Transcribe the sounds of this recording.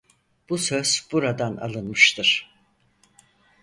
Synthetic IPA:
b̥usøz̥b̥uɾad̪ana̰lˠɯnmɯʃt̪ʰɯɾ̥

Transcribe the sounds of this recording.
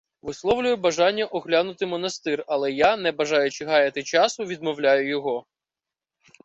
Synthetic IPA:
ʋɪslˠɔwlʲʊjʊbɐʒɑnʲːɐʔɔɦlʲanʊt̪ɪmɔnɐst̪ɪrɐlˠɛjanɛbɐʒɑjʊt͡ʃɪɦɑjɐt̪ɪt͡ʃɑsʊʋʲid̪̚mɔwlʲajʊjɔɦɔ

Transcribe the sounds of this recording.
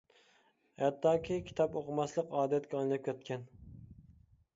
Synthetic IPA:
hɛt̪ːɑːkʲʰikʲʰi̥t̪ʰɑpoqəmɑslˠəqɑːd̪ɛt̪kʲɛɑnlˠɑp̚kʲʰɛt̪̚kʲʰɛn

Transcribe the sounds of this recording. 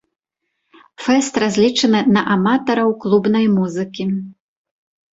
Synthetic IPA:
fɛst̪razʲlʲit͡ʂɐnɨnɐʔamat̪ɐɾɐwklˠubnɐjmuzɨkʲi

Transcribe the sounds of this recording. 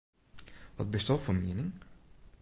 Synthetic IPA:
ʋɑt̚bəstɑfoːmeːnɪŋ

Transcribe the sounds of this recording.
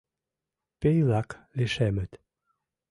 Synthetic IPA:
pejlakleʃɛmət̪

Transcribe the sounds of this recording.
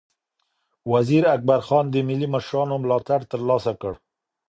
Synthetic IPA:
waziɾak̚baɾxɑnd̪əmɪlimaʃɾɑnomlɑt̪aɽt̪əɾlɑsakəɽ

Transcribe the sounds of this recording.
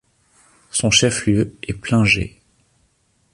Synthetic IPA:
sɔ̃ʃɛfljøɛplɛ̃ʒḛ

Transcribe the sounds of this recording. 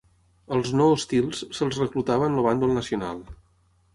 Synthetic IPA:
əlˠznoːst̪ilˠssəlˠzrəklut̪aβənləβand̪ulˠnəsiuna̰lˠ

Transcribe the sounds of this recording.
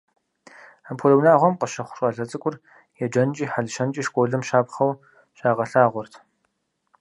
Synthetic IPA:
ampʰoɮɐwnaːʁʷɔmqəʃɐχʷʊʂʼaːɮɐt͡sʼɨkʷʼʊr | jɛd͡ʒɐnt͡ʃʼiːħaɮɨʃɐnt͡ʃʼiːʃkʷʼoːɮɨmʃaːpχɐw | ɕaːʁɐɬaːʁʷɔrtʰ

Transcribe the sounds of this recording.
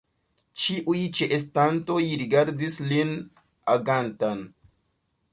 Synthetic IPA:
t͡ʃiʔujt͡ʃeʔes̬tanto̞jɾiɡaɾdislin | aɡantan

